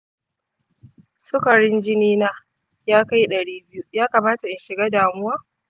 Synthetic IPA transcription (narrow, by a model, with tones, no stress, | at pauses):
sʊ˦kɐ˨ɽɪ˦nd͡ʒɪ˦niː˦naː˦ | jaː˦ka˦jɗɐ˨ɽiː˦bɪ˦ju˦jaː˦kaː˨maː˦ta˨ʔɪ˨nʃɪ˨ɡaː˦daː˨mʊ˦waː˦